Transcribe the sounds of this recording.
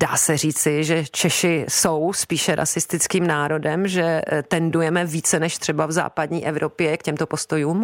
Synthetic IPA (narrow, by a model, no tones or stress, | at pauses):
da̰ːsɛr̝iːt͡sɪʒɛt͡ʃɛʃɪsowspiːʃɛɾa̰sɪst̪ɪt͡skiːmnaːɾo̞dɛmʒɛt̪ɛndujɛmɛviːt͡sɛnɛʃt̪r̝̥ɛbavza̰ːpadɲiːʔɛvɾʔo̞pjɛkcɛmt̪opo̞st̪o̞juːm